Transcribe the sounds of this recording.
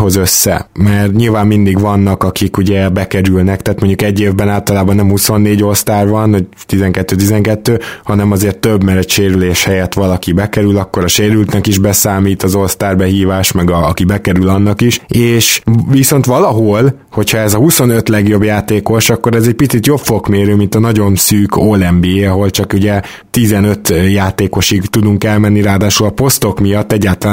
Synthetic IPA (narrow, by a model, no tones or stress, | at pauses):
ɦo̞zøsːɛ̰mɛrt̪ɲilvaːmːind̪iɡʋɒnːɒkɒkikuɟɛbɛkɛɾylnɛkt̪aːt̪moɲɟukɛɟːeːvbɛnaːlt̪ɒlaːbɒnːɛmhuso̞nːeːɟo̞lst̪aːrvɒnɒ | t̪izɛŋkɛt̪ːøːt̪izɛŋkɛt̪ːøːhɒnɛmɒzeːrt̪ːøbmɛɾɛcʃeːɾyleːʃhɛjɛt̪ʋɒlɒkibɛkɛɾylɒkːo̞ɾɒʃeːɾylt̪nɛkiʒbɛsaːmiːt̪ɒzo̞lst̪aːrbɛɦiːvaːʃmɛɡɒɒkibɛkɛɾylɒnːɒkiʃeːʃʋiso̞nt̪ʋɒlɒɦol | ho̞chɒɛzɒhuso̞nø̞t̪lɛɡjo̞bjaːt̪eːko̞ʃɒkːo̞ɾɛzɛc̚pit̪sit̪jo̞pfo̞kmeːɾøːmint̪ɒnɒɟo̞nsyːkʰoːlɛmbiɒɦo̞lt͡ʃɒkuɟɛ | t̪izɛnø̞t̪jaːt̪eːko̞ʃiɡt̪ud̪uŋkɛlmɛnːiɾaːd̪aːʃulɒpo̞st̪o̞kmijɒt̪ːɛɟːaːlt̪ɒlaː